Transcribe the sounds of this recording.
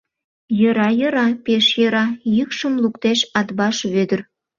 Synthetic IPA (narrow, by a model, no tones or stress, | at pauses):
jə̆ɾɑjɤ̆ɾɑpeʃjɤ̆ɾɑjykʃə̆mlukt̪eʃɑd̪bɑʃβød̪ə̆r